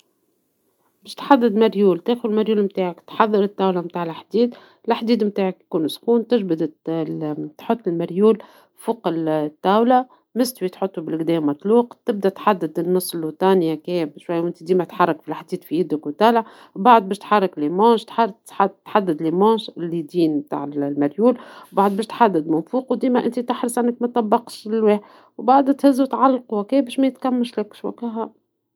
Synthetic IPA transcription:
bɛːʃt̪ħad̪ːɪd̪maɾjuːlt̪eːxʊlmaɾjuːlmt̪aːʕakt̪ħɑðˤːɑɾɪt̪ːaːwlamt̪aːʕɪlaħd̪iːd̪ | laħd̪iːd̪mt̪aːʕakjkuːnsxuːnt̪ɪʒbɪd̪ | t̪ħʊt̪ˤːɪlmaɾjuːl | fuqɪlt̪ːaːwla | mɪst̪wit̪ħʊt̪ˤːubɪlɡd̪ɛːmːɑt̪ˤluːqt̪ɪb̚d̪æt̪ħad̪ːɪd̪nːɑsˤːlut̪ɑːnjakɛːbʃwajːwʔɪnt̪id̪iːmæt̪ħɑrˤːɑkfilʔaħd̪iːd̪fijɪd̪ɪkwt̪ælʕ | baʕd̪̚beːʃt̪ħɑrˤːɑklimɑːʃt̪ħa | ħat̪ħad̪ːɪd̪limɑːʃlid̪iːnbt̪a̰ːʕɪllmaɾjuːlbaʕd̪beːʃt̪ħad̪ːɪd̪mʊnfuːqwd̪iːmæʔɪ̰nt̪it̪ɪħɾəsʕanːɪk̚mæt̪ˤɑbːɑqʃlweːħ | wbaʕd̪t̪hɪzːut̪ʕalːqukeːbeːʃmæjɪt̪kamːaʃlɪkʃwa̰kaɦa

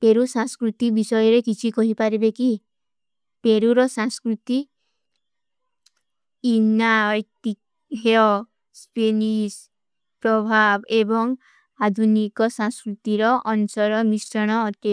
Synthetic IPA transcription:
peɾusãŋskɾut̪ibisɔjɔɾekit͡ʃʰikɔɦipaɾibeki | peɾuɾɔsãŋskɾut̪i | najt̪i | ɦeɔ | spenis | pɾɔbʱabebɔŋ | ad̪ʱunikɔsãŋskɾut̪iɾɔʔɔnusɔɾɔmisɾɔɽ̃ɔːt̪i

